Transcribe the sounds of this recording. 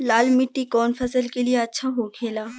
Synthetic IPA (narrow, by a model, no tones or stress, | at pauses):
laːlmɪʈːikɔːnfɐsəlkelijeɐtːʃʰaɦokʰeːlaː